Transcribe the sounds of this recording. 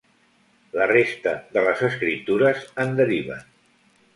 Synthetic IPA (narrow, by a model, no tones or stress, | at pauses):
lərest̪əðələzəskɾip̚t̪uɾəzənd̪əɾiβ̞ə